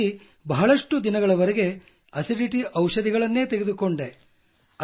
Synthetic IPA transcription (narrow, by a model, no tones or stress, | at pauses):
i | bɐɦɐɭɐʂʈud̪inɐɡɐɭɐʋɐɾeɡe̞ | ɐsiɖiʈiʔɐwʃɐd̪iɡɐɭɐnːe̞ːt̪eɡed̪uko̞ɳɖe | ɐ